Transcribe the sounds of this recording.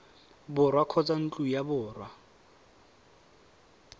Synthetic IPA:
bʊrwakʰɔt͡sʼan̩t͡ɬʼujabʊːrwa

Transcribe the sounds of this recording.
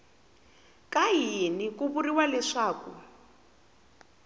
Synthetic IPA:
kaɦinikuβuriwalɛʂaːku

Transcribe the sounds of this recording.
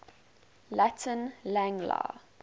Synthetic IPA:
latʰə̃nlæ̃ŋla̰

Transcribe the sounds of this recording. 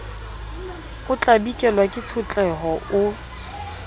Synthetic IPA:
χʊt͡ɬʼabikʼɛlwakʼɪt͡sʰʊt͡ɬʼɛɦɔʊ

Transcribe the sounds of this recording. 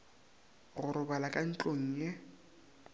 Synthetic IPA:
ɣʊɾʊbalakʼan̩t͡ɬʼoŋ̩ːjɛ

